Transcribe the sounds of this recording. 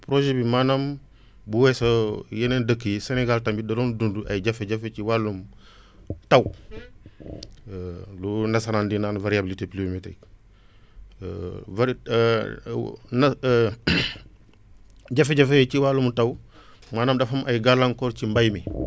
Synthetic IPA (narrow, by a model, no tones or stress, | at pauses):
pɾoʒebimanam | buwɛsɐjenendəkːəjiseneɡaltɐmbidɐɾondunduʔɐ̰jiɟɐfeɟɐfet͡ʃiwalːum | taw | lunɐsaɾaːndinanvaɾiabilitepliometḛk | vaɾ | n | ɟɐfeɟafet͡ʃiwalumtaw | maːnamdɐfɐmʔɐjɡalaŋkɔːɾt͡ʃimbajmi